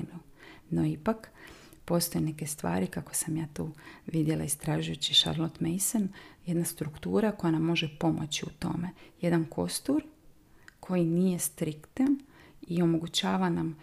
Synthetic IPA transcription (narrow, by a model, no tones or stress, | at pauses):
mu | no̞ipak | po̞st̪o̞jene̞ke̞st̪ʋa̰ːɾikako̥samjaːt̪uːʋid̪jelˠa̰ist̪ɾaːʒujut͡ɕiʃa̰ɾlˠot̪mejsonje̞d̪nast̪ɾukt̪uːɾako̞janamːo̞ʒepo̞mo̞̰t͡ɕiut̪o̞̰me̞je̞d̪ankʰo̞̰st̪uɾ | kʰo̞jinije̞st̪ɾikt̪anio̞mo̞ɡut͡ɕaːʋanam